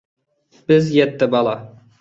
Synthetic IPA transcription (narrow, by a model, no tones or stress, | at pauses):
b̥ɪzjɛt̪ːɪbɑlˠɑ